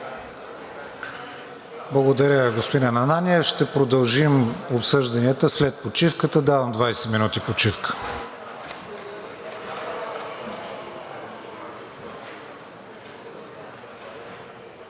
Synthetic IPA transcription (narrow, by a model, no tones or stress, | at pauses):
blˠɐɡod̪ɐɾʲəɡospod̪inɐnɐnanʲiɛfʃt̪ɛpɾod̪ɐlˠʒimopsɤʒd̪ɐniət̪əslɛt̪̚pot͡ʃifkət̪əd̪avəmd̪vajsɛ̥minut̪ipot͡ʃifkə̥